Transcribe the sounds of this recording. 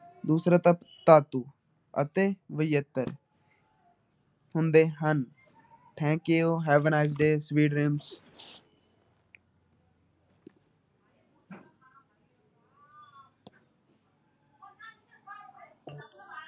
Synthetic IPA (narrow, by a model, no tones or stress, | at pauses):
d̪uːsɾat̪əpt̪aːt̪uː | ə̰t̪eːʋəjjət̪ːəɾ | hʊ̃nd̪eːɦən | ʈʰɛ̃ːkioɦɛːʋənaːɪzɖeːsʋiːɖɾeːms